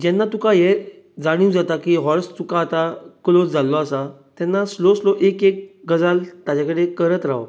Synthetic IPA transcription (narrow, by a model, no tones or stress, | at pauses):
d͡ʑɛnːat̪ukaje | d͡zaɽ̃iud͡zat̪akiːɦɔɾst̪ukaːt̪aklot͡sd͡zʱalːɔasa | t̪ɛnːasloslɔʔekek̚ɡəd͡zalt̪ad͡ʑakəɽekəɾət̪ɾa̰wo